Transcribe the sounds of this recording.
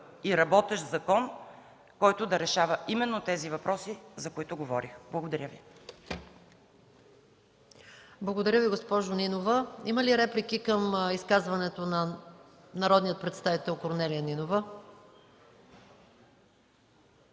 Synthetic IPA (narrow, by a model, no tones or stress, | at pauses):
iɾɐbɔt̪ɛʃzɐkɔn | kɔjt̪ʊd̪ɐɾɛʃavəʔimɛnːot̪ɛzivɐpɾɔsizɐkoit̪ʊɡovɔɾixblˠɐɡod̪ɐɾʲjəvi | blˠɐɡod̪ɐɾʲjəviɡospɔʒoninovəiməliɾɛplik̟ikəmiskazvɐnɛt̪onɐ | nɐɾɔd̪nijət̪̚pɾɛt̪st̪avit̪ɛlˠkoɾnɛliəninovə